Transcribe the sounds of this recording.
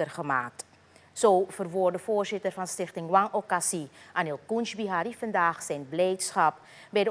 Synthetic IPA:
ərχəmaːk̚t | soːvərʋordəvoːrzɪtərvɑnstɪχtɪŋwɑŋokasiʔaːnelˠkunʃbiɦaːɾifɑndaːχsɛjnblɛjtsxɑp̚ | bɛjdə

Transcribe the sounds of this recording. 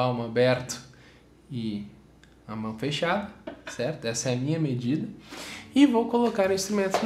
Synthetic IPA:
awmʊabɛɾt̪ʊ̥ | ɪ | ɐmɐ̃w̃feʃad̪ɐsɛɾt̪ʊɛsɐɛɐmĩɲɐmed͡ʒid̪ɐɪvowkolokaɾĩst̪ɾumẽnt̪ʊn

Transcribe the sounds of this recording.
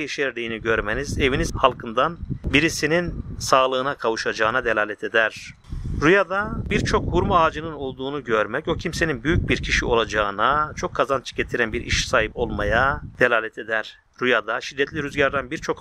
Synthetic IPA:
jeʃeɾd̪ejiniɟø̞ɾmenize̞vinizhalˠkʰɯnd̪anbiɾisininsaːlˠɯːnakʰavuʃad͡ʒaːɯnad̪elʲaːlʲɛt̪ʰe̞d̪æɾ̥ | ɾujad̪abiɾt͡ʃʰo̞khuɾmuaːd͡ʒɯnɯno̞lˠd̪uːnuɟø̞ɾmɛco̞cʰimse̞ninbyjyc̚biɾcʰiʃio̞lˠad͡ʒaːɯnat͡ʃʰo̞kʰːazant͡ʃʰɯ̥ɟet̪ʰiɾænbiɾʔḭʃsaːɦipo̞lˠmajad̪̥elʲaːlʲɛt̪ʰe̞d̪æɾ̥ | ɾujad̪aʃid̪ːɛt̪ʰlʲiɾyzɟaɾd̪ænbiɾt͡ʃʰo̞k

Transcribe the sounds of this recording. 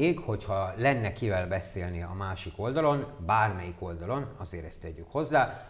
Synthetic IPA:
eːɡho̞chɒlɛnːɛkivɛlbɛseːlniɒ̰maːʃiko̞ld̪ɒlo̞nbaːrmɛjiko̞ld̪ɒlo̞nɒzeːɾɛst̪ɛɟːykho̞zːaː

